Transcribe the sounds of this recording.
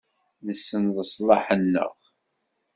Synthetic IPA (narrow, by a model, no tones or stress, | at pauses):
ðəsːənðəsˤlˤɑħənːə̰ʁ